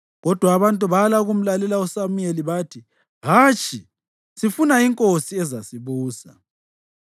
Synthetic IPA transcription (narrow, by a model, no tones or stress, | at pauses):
ɣɔd̥ʱwaːβantʼuβalaɣum̩lalɛlausamujeliβaːtʰi | ɦaːt͡ʃʰʼi | sifunaiŋkʼosiɛzasiβuːsa